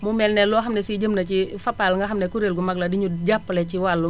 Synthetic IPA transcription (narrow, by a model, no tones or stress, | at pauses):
mumɛlnɛlɔɦamnɛsid͡ʒəmnat͡ʃifapalŋɡaɦamnɛkuɾelɡumaɡladiɲud͡ʒapːalɛt͡ʃiwalːu